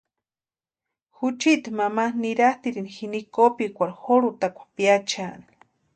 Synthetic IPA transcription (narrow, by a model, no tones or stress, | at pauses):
xut͡ʃit̪mamaniɾaht̪iɾinixinikopikʷaɾxoɾut̪akʷḁpjat͡ʃani̥